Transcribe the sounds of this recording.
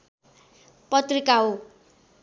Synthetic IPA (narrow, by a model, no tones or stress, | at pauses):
pʌt̪rikao